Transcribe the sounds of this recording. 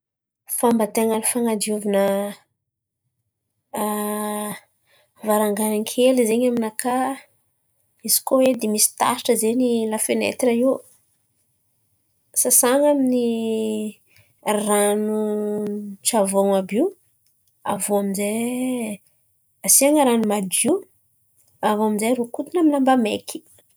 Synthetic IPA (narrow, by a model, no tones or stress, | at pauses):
fambat̪eŋanifaŋad̪iuvinə | vaɾaŋɡanaŋkʰelizeɲaminaka | iz̥i̥kowed̪emisi̥t̪a̰ʃi̥ʈ͡ʂəzeɲilafenḛt̪raiu | sasaŋamini | ranu | t͡ʃavoŋabiw | a̰voaminze | asiaŋəɾanumad̪i | avoaminzaɾukut̪unaminambamekʰi̥